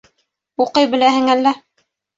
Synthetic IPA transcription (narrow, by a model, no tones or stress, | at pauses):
uqɤjbɘ̆læhɘ̆ŋælːæ